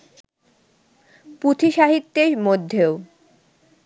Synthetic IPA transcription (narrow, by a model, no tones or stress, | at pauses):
pɾut̪ʰiʃaɦit̪ːeɾmod̪ʱːeo